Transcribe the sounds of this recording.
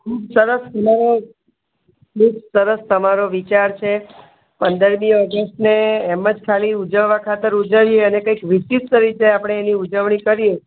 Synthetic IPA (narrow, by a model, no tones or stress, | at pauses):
kʰubsəɾəst̪əmaɾo | kʰubsəɾəst̪əmaɾoʋit͡ʃaɾt͡ʃʰe | pənd̪əɾmiɔɡəstneːməd͡ʒkʰaliud͡ʒəʋːakʰat̪əɾud͡ʒəʋieənekəikʋiʃit̪t̪əɾit͡ʃajapɽ̃eːniud͡ʒəʋɳ̃ikəɾije